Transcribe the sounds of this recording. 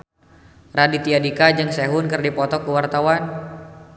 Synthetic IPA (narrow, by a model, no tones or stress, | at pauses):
radit̪iadikad͡ʒɨŋsɛɦʊnkɨrdipɔt̪ɔkuwart̪awan